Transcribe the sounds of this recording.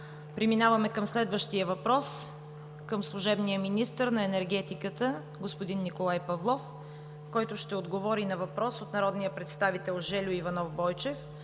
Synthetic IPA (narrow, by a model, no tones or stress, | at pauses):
pɾiminavɐmɛkəmslɛd̪vəʃt̪ijəvɐpɾɔs | kəmslˠʊʒɛbnijəminist̪əɾnɐɛnɛɾɡɛt̪ikət̪ə | ɡospoʊd̪inːikolˠajpɐvlˠɔf | kɔjt̪ʊʃt̪ɛod̪ɡovɔɾinɐvɐpɾɔsot̪nɐɾɔd̪nijəpɾɛt̪st̪avit̪ɛlˠʒɛlʲʊivɐnɔfbɔjt͡ʃɛf